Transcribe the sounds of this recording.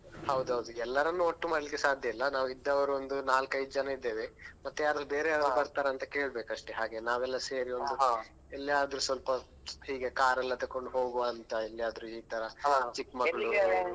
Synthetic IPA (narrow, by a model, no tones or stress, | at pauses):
hɐwd̪uɦɐwd̪uɛlːɐɾɐnːuoʈːumaːɖlikːesaːd̪ʱjɐilːɐnaːʋuid̪ːɐʋɐɾuond̪unaːlkɐjid͡ʒɐnɐid̪ːe̞ːʋemɐt̪ːujaːɾɐube̞ːɾeaːd̪ɐɾubɐɾt̪aːɾɐɐnt̪ɐke̞ːɭbeːkɐʂʈeɦaːɡe̞naːʋɛlːɐseːɾiond̪u | ɛlːijaːd̪ɐɾusʋɐlpɐ | hiːɡe̞kaːɾɐlːɐt̪ɐkːoɳɖuɦo̞ːɡoɐnt̪ɐelːijaːd̪ɾuiːt̪ɐɾɐt͡ʃikmɐɐɭu